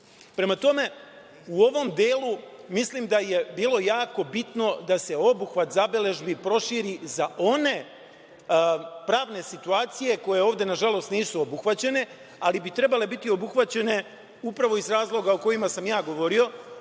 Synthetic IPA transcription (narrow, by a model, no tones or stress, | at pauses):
pɾe̞mat̪o̞me̞ | uo̞ʋo̞md̪eːlumislimd̪aje̞biːlˠo̞jaːko̞bit̪no̞d̪ase̞o̞buxʋat̪zabile̞ʒbipɾo̞ʃiːɾizaʔo̞ne̞ | pɾaːʋne̞sit̪uaːt̪sije̞ko̞je̞oːʋd̪e̞naʒalˠo̞st̪niːsuo̞buxʋat͡ɕe̞ne̞ | alibit̪ɾe̞bale̞bit̪io̞buxʋat͡ɕe̞ne̞ | upɾaʋo̞izɾaːzlˠo̞ɡaoko̞jimasamjaːɡo̞ʋo̞ɾio̞